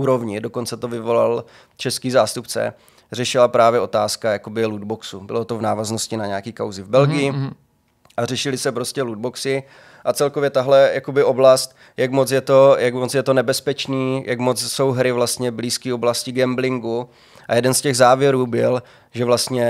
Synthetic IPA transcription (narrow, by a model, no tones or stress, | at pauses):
uːɾovɲɪdo̞ko̞nt͡sɛt̪o̞vɪvo̞la̰l | t͡ʃɛskiːzaːst̪upt͡sɛ̰ | rɛʃɪlapɾaːvjɛʔo̞t̪aːskajakobɪlud̪boksubɪlo̞t̪o̞vnaːvaznoscɪnaɲɛakiːkawzɪvbɛlɡɪjɪ | ʔarɛʃɪlɪsɛpɾo̞scɛlud̪boksɪ | ʔat͡sɛlko̞vjɛt̪aɦlɛjakobɪo̞blast̪ | jakmot͡sjɛt̪o̞jakmot͡sjɛt̪o̞nɛbɛspɛt͡ʃniːjʔa̰kmot͡sso̞wɦɾɪvlast̪ɲɛbliːskiːoblascɪɡɛmblɪŋɡu | ʔa̰jɛdɛnscɛɣzaːvjɛɾuːbɪl | ʒɛvlast̪ɲɛ